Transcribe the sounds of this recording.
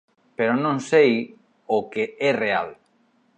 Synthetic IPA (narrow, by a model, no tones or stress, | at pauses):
peɾonõŋsej | okeɛreal